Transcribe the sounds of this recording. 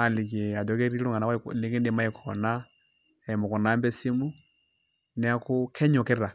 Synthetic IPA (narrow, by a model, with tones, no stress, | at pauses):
a˨li˨kɛ˨a˨dɔ˨˦kɛ˦ɾi˦lu˦ŋa˨na˨wa˦˨li˨˦ŋe˦ndi˨ma˦i˨kʰɔ˨na˦ | ɛ˨mɔ˨kɔ˨na˨˦mbɛ˦si˦mu˦ | nɛ˦a˦kʊ˦kʰɛ˦ɲʊ˨kɛ˦ɾɛ˦ɾa˨